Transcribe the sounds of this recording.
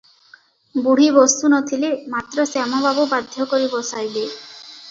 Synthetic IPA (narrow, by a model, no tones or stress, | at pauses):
buɽ̤ibɔst̪unɔt̪ʰilemat̪ɾɔsamɔbabɔbad̪ʱjɔkɔɾibɔsajbe